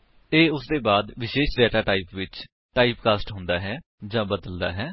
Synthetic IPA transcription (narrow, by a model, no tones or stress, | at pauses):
eːʊsd̪eːbaːd̪ʋɪʃeːʃɖɛːʈaːʈaːiːpʋɪt͡ʃ | ʈaːiːpkaːsʈɦʊ̃nd̪aːɦɛː | d͡ʒãːbəd̪əld̪a̰ːɦɛː